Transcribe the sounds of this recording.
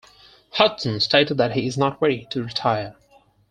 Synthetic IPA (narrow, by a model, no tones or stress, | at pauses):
hʌtsə̃nstʰeɪɾɨd̪̚ðɨt̚hiɪznət̚ɹɛɾiɾʰɨɹɨtʰaɪə˞